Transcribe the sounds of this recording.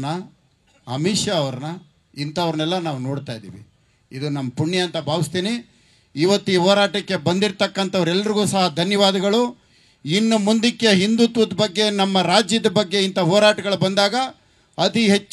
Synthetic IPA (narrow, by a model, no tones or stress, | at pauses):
nɐ | ɐmiːʂjɐːʋɐɾɐnɐ | int̪ɐʋɐɾɐnɛlːɐnaːʋunoːɽt̪aːjid̪ḭːʋḭ | id̪unɐmːɐpuɳjɐɐnt̪ɐbʱaːʋist̪iːni | iːʋɐt̪ːuiːɦɔːɾaːʈɐkːe̞bɐnd̪iɾt̪ɐkːɐnt̪ɐʋɐɾɛlːɐɾiɡuːsɐɦɐd̪ʱɐnjɐʋaːd̪ɐɡɐɭu | inːumund̪ikːjeɦind̪ut̪ʋɐd̪bɐɡːe̞nɐmːɐɾaːd͡ʒjɐd̪ɐbɐɡːe̞int̪ɐɦɔːɾaːʈɐɡɐɭubɐnd̪aːɡɐ | ɐt̪iɦe̞t͡ʃː